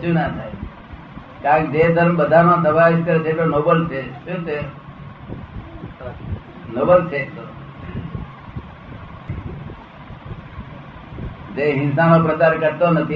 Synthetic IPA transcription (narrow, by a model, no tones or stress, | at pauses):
ũnat̪ʰaj | kãkd͡ʒed̪ʱəɾmbəd̪ʱanõːsəbaɪskəɾd͡ʒeʈonoːbəlt͡ʃʰesũːt̪e | noːbəlt͡ʃʰet̪o | d͡ʒeːɦɪ̃nsamõpɾət͡ʃaɾkəɾt̪onət̪ʰi